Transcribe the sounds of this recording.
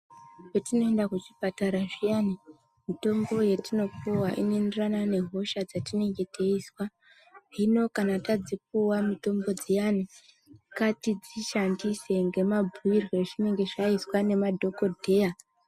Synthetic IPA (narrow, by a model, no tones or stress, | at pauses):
petino̞e̞ndakut͡ʃipataɾaʐijani | mito̞mbo̞jetino̞kuwaʔinoinderanane̞ɦo̞ʃad͡zatine̞ŋɡe̞tʰeiswa | ino̞kanatad͡zip̚uwamito̞mbo̞d͡zijani | katid͡ziʃandise̞ŋɡe̞mabʱuirwe̞ʐine̞ŋɡe̞ʐaiswane̞madʱo̞kodʱeːa